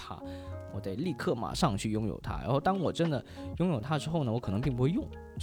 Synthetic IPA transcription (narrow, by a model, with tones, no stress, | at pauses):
t̪ʰa̰˥ | wɔ˨˩ea˥˧ɪli˥˧kʰɤ˥˩ma̰˨˩ʂɑ˥˧ŋt͡ɕʰy˥˩jʊ˥ŋjo̰˨˩ʊt̪ʰa̰˥ɻa̰˧˥xo˥˧˩ʊt̪ɑ˥ŋwɔ˨˩ʈ͡ʂə˥nd̪ə˨˩jʊ˥ŋjo˨˩ʊt̪ʰa˥ə˧ʈ͡ʂɻ̩˥xo˥˩ʊnə˩wɔ˧˥kʰɤ˨˩nɤ˧˥ŋp̬i˥˩ŋp̬u˥xwe˥˧jʊ˥˩ŋ